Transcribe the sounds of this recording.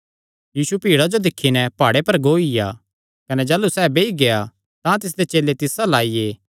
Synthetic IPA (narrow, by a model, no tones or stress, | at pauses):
jiːsupiːɽad͡ʒod̪ɪkʰːinɛpaːɽepɐɾɡoːɪja̰ | kɐnɛd͡ʒaːlusɛːbeːiɡea | t̪ãt̪ɪs̬d̪et͡ʃeːlet̪ɪsalaːije